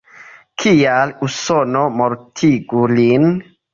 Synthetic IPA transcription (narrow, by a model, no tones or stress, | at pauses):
kʰijalusɔnɔmɔɾtʰiɡulin